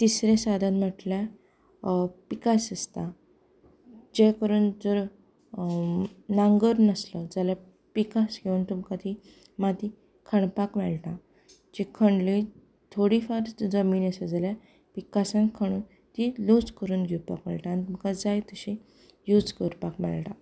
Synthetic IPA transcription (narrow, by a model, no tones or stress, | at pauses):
t̪isɾẽsad̪ʱãt̪m̤əʈlja | pikasəst̪a | d͡ʑekəɾuːnd͡zəɾ | naŋɡəɾnəsləd͡zala | pikasɡʱeuːnt̪umkat̪i | mat̪i | kʰəɳpakmɛɭʈã | d͡ʑikʰəɳɖli | t̪ʰoɽifaɾd͡zəmiːnəsəd͡zalja | pikasãnkʰəɳ̃uːn | t̪ilot͡skəɾuːnɡʱeupa̰kə̰ɭʈãːnit̪umkad͡zajt̪əɕi | jud͡zkəɾpakmɛ̰ɭʈa